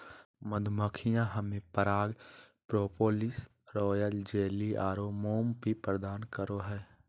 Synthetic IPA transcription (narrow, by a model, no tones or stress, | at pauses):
məd̪ʱməkʰijãɦɐmẽpəɾaːɡ | pɾoːpoːlɪs | ɾɔːjəld͡ʒeːliʔaːɾomoːmpipɾəd̪aːnkəɾoɦɛː